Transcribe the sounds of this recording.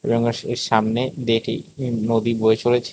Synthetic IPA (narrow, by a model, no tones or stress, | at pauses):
ḛbɔŋeeɾʃamned̪eʈḭnod̪iboet͡ɕolet͡ɕʰ